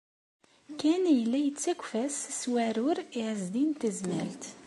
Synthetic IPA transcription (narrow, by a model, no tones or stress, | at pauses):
kænjəlːæjət͡sːækʷfæsswæɾʊɾiʕəzd̪int̪əzmælt̪